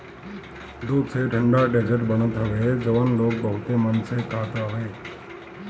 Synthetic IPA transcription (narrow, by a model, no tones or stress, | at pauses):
d̪uːd̪seːʈʰəɳɖaːɖeːd͡ʒəʈbəɳ̃ot̪ʰaʋed͡ʒəʋanloːk̚bəɦʊt̪oːmənseːkʰaːt̪aːʋeː